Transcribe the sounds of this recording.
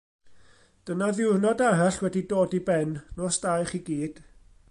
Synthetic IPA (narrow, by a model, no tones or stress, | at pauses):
d̥ənaðɪwnɔdaɾaɬwɛdidoːdibɛnnoːsd̥ajχiɡiːd̥